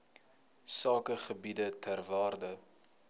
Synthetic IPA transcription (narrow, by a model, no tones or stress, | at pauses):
sɑːkəχəbidətʰærvɑːrdə